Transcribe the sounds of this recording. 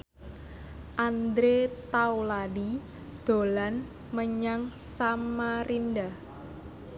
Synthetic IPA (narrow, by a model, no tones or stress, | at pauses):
ʔand̪ɾet̪awlaɖi | d̪̥o̤lan | məɲaŋsamarinɖa